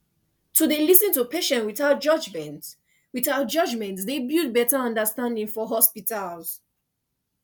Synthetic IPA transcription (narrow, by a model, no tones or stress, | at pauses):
tudelisĩntupeʃɛ̃nwiθaʊt̚d͡ʒʌd͡ʒmɛ̃nt | wiθaʊt̚d͡ʒʌd͡ʒmɛ̃ntdebud̚bɛtaʌ̃ndəstãndĩŋfɔɦɔspitalz̥